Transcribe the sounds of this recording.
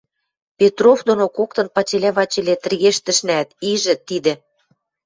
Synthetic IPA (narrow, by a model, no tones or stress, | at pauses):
pʲet̪rovd̪onokokt̪ɤ̆npɑt͡ɕelʲæβɑt͡ɕĕlʲet̪ɘ̆rɣeʃt̪ə̆ʃnæt̪iʒɘ̆t̪id̪ĕ